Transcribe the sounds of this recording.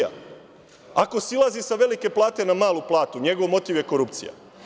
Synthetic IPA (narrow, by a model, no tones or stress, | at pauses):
a̰ | ako̞silˠazisaʋe̞like̞plˠaːt̪e̞namaːlˠuplˠaːt̪uɲe̞ɡo̞ʋmo̞t̪iʋje̞ko̞ɾupt̪sḭja̰